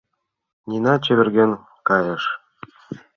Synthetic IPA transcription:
nʲinɑt͡ɕɘ̆βʲɘ̆rɡʲĕn | kɑjɤ̆ʃ

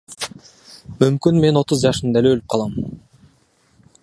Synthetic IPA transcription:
mymkynme̞no̞t̪uzd͡ʒɑʃɯnd̪æleølyp̚qʰɑlˠɑm

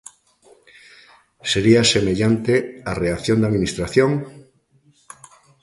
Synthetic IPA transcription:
seɾiasemeʎant̪eareaθjond̪aðminist̪ɾaθjoŋ

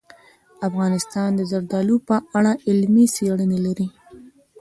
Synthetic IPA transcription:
afɣɑnɪst̪ɑnd̪əzaɾd̪ɑlupəʔaɽaʔɪlmiseɽənelaɾi

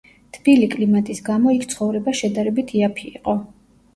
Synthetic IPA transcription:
t̪ʰb̥ilikʼlimat̪ʼisɡamɔikʰt̪sʰχɔvɾɛbaʃɛd̪aɾɛbit̪ʰiapʰḭːqʼɔ

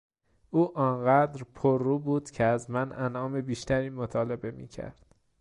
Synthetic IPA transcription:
ʔuːʔɒːnɢæːd̪ɾpʰoɾːuːbuːd̪̥cʰeæzmænʔænɒːme̞biːʃt̪ʰæɾiːmot̪ʰɒːle̞be̞mḭːcʰæ̰ɾd̪̥

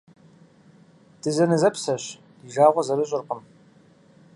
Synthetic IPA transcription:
d̥ɨzɐnɨzɐpsɐɕ | d̥iːʒaːʁʷɔzɐɾɨɕʼɪrqəm

